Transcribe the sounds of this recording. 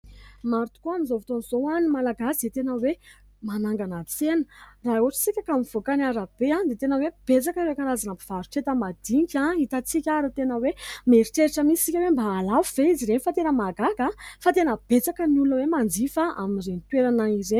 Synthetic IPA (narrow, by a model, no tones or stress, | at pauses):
maɾut̪u̥koamizovit̪onzoanimalaɡaset̪enəwe | manaŋɡanat͡senə̥raɦuaʈ͡ʂə̥t͡sikʲakamiv̥okanaɾab̥eãnd̪et̪enəweb̥et͡sakəɾekaɾazanapiv̥aɾuʈ͡ʂet̪əmad̪iŋkʲait̪at͡sikʲaɾut̪enəwemeɾiʈ͡ʂeɾiʈ͡ʂamissikʲawembaːlavuv̥eiziɾenifat̪enəmaɡaɡafat̪enəb̥et͡sakənulunəwemand͡zifaa̰mirenit̪weɾanaizeɲ